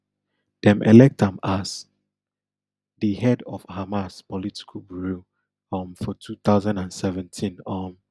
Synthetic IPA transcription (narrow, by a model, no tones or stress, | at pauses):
d̥ɛ̃mʔɛ̰lɛk̚tãmas | dihɛdɔfhamaspɔlitʰi̥kʰəlbuɹu | ɔmfɔtʰuθaʊzãndãnsɛvɛ̃ntʰĩnɔm